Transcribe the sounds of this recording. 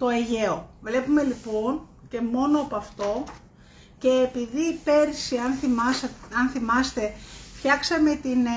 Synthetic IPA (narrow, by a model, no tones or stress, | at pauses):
t̪o̞eʝe̞ovle̞pume̞lipo̞n | ce̞mo̞noɐpoɐft̪o̞ | ce̞ːpiðiːpe̞ɾsiɐnθimɐsɐnθimɐst̪e̞fçɐksɐme̞t̪in